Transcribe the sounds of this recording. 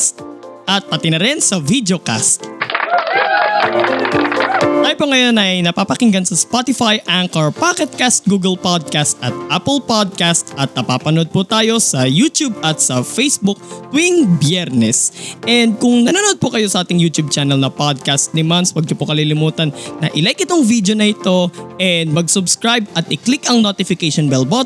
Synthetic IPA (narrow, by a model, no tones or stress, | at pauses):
st̪ | ʔɐt̪̚pɐt̪ɪnɐɾɪnsɐvid̪oka̰st̪̚ | t̪ajpoŋɐjonɐjnɐpaːpɐkɪŋɡɐnsɐspat̪ɪfajʔaŋkɐɹpakɛt̪̚kast̪̚ɡuːɡɐlpad̪̚kast̪ʔɐt̪̚ʔapɛlpod̪̚kast̪ɐt̪̚nɐpaːpɐnod̪̚pʊt̪aːjo̞sɐjut̪jubɐt̪sɐfejsbʊk̚t̪wiŋbjɛɾnɛsʔɛnd̪̚kʊŋnɐnaːnod̪̚pʊkɐjo̞sɐʔaːt̪ɪŋjuːt̪jub̚t͡ʃaːnɐlnɐpad̪̚kast̪̚nɪmanswɐɡ̚d͡ʒopokɐlilɪmuːt̪ɐnːɐʔɪlajk̚ɪt̪oŋvid̪jonɐʔɪt̪o̞ʔɛnd̪̚mɐɡsʊbskɾajbɐt̪ɪklɪkɐŋnot̪ɪfɪkɛjʃonbɛlbot̪̚